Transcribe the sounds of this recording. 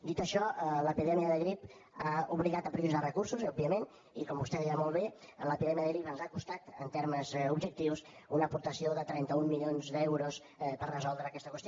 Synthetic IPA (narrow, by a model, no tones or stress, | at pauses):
d̪it̪əʃɔləpiðɛmiəðəɣɾip | auβliɣat̪əpɾβizarəkursuzɔb̚biəmen | ikɔmbust̪ɛβɛjamolˠβeələpiðɛmiəðəɣɾipənzakust̪at̪ənt̪eɾməzubd͡ʒək̚t̪iws | unəpuɾt̪əsioðət̪ɾɛnt̪əumːiʎonzd̪ɛwɾos | pərrəzɔlˠd̪ɾəːkɛst̪əkwəst̪jo